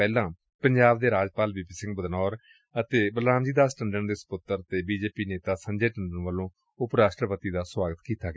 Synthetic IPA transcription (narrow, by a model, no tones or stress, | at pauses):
ɛːlãː | pəɲd͡ʒaːbd̪eːɾaːd͡ʒpaːlbipiːsɪ̃ŋɡbəd̪nɔːɾ | ət̪eːbəlaːmd͡ʒiːd̪aːsʈəɳɖəɳd̪eːsə̥pʊt̪ːəɾt̪eːbiːd͡ʒeːpiːneːt̪aːsəɲd͡ʒeːʈəɳɖəɳʋəlõː | ʊpɾaːsʈɾəpət̪iːd̪aːswaːɡət̪kiːt̪aːɡ